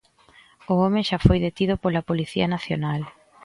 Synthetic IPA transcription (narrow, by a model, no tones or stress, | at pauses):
ʊɔmẽʃafojðet̪iðʊpolɐpoliθiɐnaθjonal